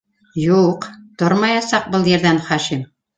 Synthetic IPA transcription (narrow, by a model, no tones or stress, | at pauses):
juqt̪oɾmɑjɑsɑq̚bɤlˠjɘ̆ɾd̪ænχɑʃim